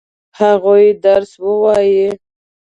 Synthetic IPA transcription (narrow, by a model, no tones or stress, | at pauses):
haɣojid̪aɾswəwɑji